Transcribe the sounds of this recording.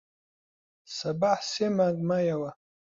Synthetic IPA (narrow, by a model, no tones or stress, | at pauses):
sɐbaħsemaɡmajawa